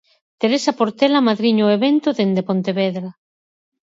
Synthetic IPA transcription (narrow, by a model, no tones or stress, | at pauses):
t̪eɾesapoɾt̪ɛlamaðɾiɲoeβent̪oðend̪epont̪eβɛðɾa